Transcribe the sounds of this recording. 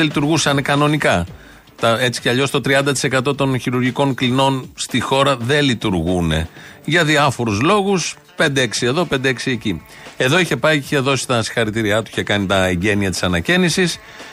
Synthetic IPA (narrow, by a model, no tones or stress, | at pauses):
elit̪uɾɣusɐnekɐno̞nikɐ | t̪ɐe̞t͡si̥ceɐʎo̞st̪ot̪ɾiɐnd̪ɐt̪i̥se̞kɐt̪o̞t̪o̞nçiɾuɾʝiko̞ŋklino̞nst̪ixo̞ɾɐðe̞lit̪uɾɣune̞̰ʝɐðiɐfo̞ɾuzlo̞ɣus | pe̞nd̪eeksie̞ðo̞pe̞nd̪eeksieci | e̞ðo̞içe̞pɐiiçe̞ðo̞si̥t̪ɐsi̥xɐɾit̪iɾiɐt̪uiçe̞kɐnit̪ɐeɲɟe̞niɐt̪i̥sɐnɐcenisis